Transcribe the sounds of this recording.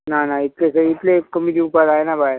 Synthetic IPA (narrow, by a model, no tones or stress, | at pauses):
nanait̪lesəit̪lekːəmid̪iupad̪ajenabaj